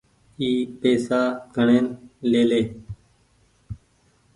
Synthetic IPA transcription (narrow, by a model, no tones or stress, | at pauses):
iːpeːsaːɡʱəɳeːnleːleː